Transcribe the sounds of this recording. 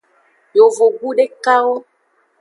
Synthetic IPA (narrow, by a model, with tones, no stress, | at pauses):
jo˨vo˨ɡu˦ɖe˦ka˦wo˦